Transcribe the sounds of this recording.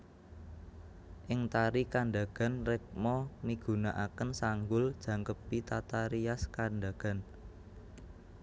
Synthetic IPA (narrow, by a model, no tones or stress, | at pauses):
ʔɪŋt̪aɾikaɳɖa̤ɡ̥a̤nrɛk̚mɔmiɡ̥ṳnaʔakənsaŋɡʊld̥ʒ̥ä̤ŋkəp̚it̪at̪aɾiaskanɖa̤ɡ̥a̤n